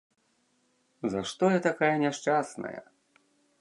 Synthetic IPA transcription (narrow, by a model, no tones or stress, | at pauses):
zɐʂt̪ɔjɐt̪akajɐnʲɛʂt͡ʂasnɐ̰jɐ̰